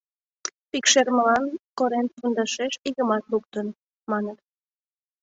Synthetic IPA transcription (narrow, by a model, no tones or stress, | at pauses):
pikʃerməlɑnkoɾenfund̪ɑʃeʃiɣəmɑt̪luk̚t̪ən | mɑnət̪